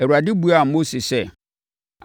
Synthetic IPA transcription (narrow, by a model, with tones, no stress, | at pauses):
ɛ˨wu˨ɾa˨dɪ˦bu˦a˨mo˦si˨sɛ˦˨